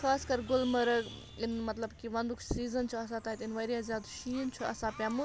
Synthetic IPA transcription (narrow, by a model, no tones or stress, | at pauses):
xaːskɐɾɡʊlmɐɾɐ | inmɐt̪lɐbkiʋɐnd̪ukʰsiːzɐnt͡ʃʰuɐs̬ãt̪aːit̪inʋɐɾijazjaːd̪ʃiːnt͡ʃʰuɐ̰sãpjamu